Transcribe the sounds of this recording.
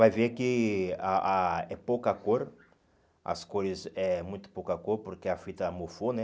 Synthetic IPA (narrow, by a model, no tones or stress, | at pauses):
vajvekiaʔaɛpokakoɾ | ɐ̰skoɾizɛmũj̃t̪ʊ̥pokakoɾpuɾkeafit̪ɐmofonɛ